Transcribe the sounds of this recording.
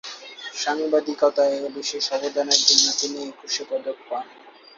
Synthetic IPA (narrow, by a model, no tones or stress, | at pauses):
ʃaŋibad̪ikɔt̪aebiʃeʃɔbod̪ʱaneɾd̪inːat̪ineekuʃepɔd̪ok̚pan